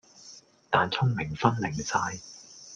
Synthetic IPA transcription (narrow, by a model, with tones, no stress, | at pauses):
t̪aː˨nt͡sʰʊ˥ŋmɪ˨˩ŋfɐ˥nlɪ˨˩ŋsaː˧j